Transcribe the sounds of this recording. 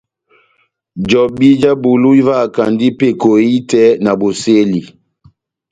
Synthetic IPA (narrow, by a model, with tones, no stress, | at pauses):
d͡ʒɔ˨bi˦d͡ʒa˦bu˨lu˦i˦va˦˨ka˨ndi˦pe˦˨ko˨i˦tɛ˦na˨bo˨se˦li˨